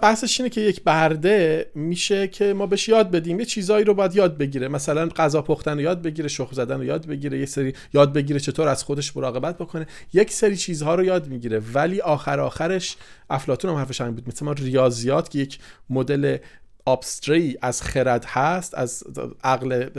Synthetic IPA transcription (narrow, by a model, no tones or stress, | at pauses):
b̥æhse̞ʃiːnecʰe̞jecʰbæɾd̪e̞miːʃecʰe̞mɒːbeʃjɒːd̪̚be̞d̪iːmjet͡ʃʰiːzɒːiːɾobɒːjæd̪jɒːd̪̚be̞ɟiːɾemæsælænɢæzɒːpʰoxt̪ænojɒːd̪̚be̞ɟiːɾeʃoɣlzæd̪ænojɒːd̪̚be̞ɟiːɾejecseɾiː | jɒːd̪̚be̞ɟiːɾet͡ʃʰe̞t̪ʰoːɾæz̥xod̪e̞ʃmoɾɒːɣe̞bæt̪̚ʰbo̞kʰone̞ | je̞cʰseɾiːt͡ʃʰiːzhɒːɾojɒːd̪miːɟiːɾevæliːʔɒːxæɾɒːxæɾe̞ʃʔæflɒːt̪uːnhæmhæɾfeʃæmimbuːd̪mesemɒːnrijɒːzijɒːt̪ʰkʰe̞jecʰmod̪e̞le̞ | ɒːbst̪ɾeiːʔæz̥xeɾæd̪hæst̪æ̰zæɣle